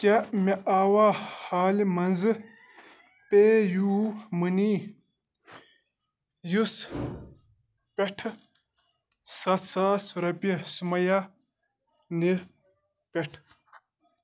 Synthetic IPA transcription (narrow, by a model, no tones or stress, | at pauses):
kʲemeʔaːwaːhaːlimɐnzɨ | peːjuːmɨniː | jus | peʈʰ | sɐsaːsuɾɐpisumɐja | ni | peʈʰ